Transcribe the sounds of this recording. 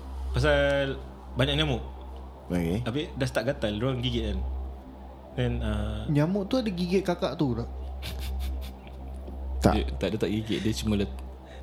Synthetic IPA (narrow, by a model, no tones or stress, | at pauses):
pas̬al | baɲaʔɲamʊʔ | oket̪apidast̪aʔɡat̪alɾuaŋɡiɡɛʔ̚an | ɛ̃naɲamʊʔt̪uadəɡiɡɛʔ̪̚kakaʔt̪udaʔ | t̪a̰ʔət̪aʔdət̪aʔɡiɡɛʔ̪̚dəst͡ʃəmələt̪̚